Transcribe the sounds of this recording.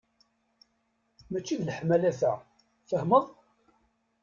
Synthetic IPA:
mæt͡ʃːiðlħmælæθæ | θəhməðˤ

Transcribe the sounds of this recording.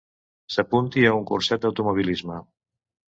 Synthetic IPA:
səpunt̪iəuŋkṵrsɛt̪̚d̪əwt̪umuβ̞ilizmə

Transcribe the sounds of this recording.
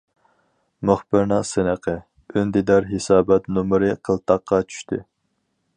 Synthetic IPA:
myχbɪɾnɨŋsɨnəqʰə | ynd̪id̪ɑɾɦesɑːbɛt̪numɾɨqʰəlˠt̪ʰɑqːɑt͡ʃʰy̥ʃt̪ʰɪ

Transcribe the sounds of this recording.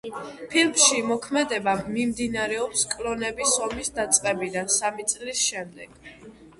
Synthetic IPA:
pʰilmʃimɔkʰmɛd̪ɛbamimd̪inaɾɛɔpskʼlɔnɛbisɔmisd̪at̪sʼqʼɛbid̪ansamit̪sʼlisʃɛmd̪ɛɡ̥

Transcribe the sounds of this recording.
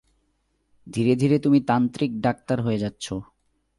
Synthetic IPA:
d̪ʱiɾed̪ʱiɾet̪umit̪ant̪ɾik̚ɖak̚t̪aɾɦoed͡ʑatːɕʰo

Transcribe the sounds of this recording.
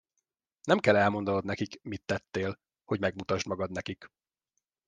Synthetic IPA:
nɛmkɛlɛlmo̞nd̪ɒnod̪nɛkikmit̪ːɛt̪ːeːl | hoɟmɛɡmut̪ɒʒd̪mɒɡɒd̪nɛkik

